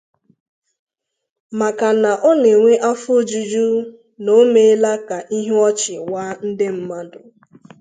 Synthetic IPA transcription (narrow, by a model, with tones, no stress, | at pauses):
ma˨ka˨na˨ʔɔ˦ne˨ŋʷe˦ʔa˦fd͡ʒu˨d͡ʒu˦ | no˦me˦la˦ka˨ʔi˦ɦe˦ɔ˦t͡ʃɪ˨wa˦n̩˦dɪ˦m̩˦ma˦dʊ˨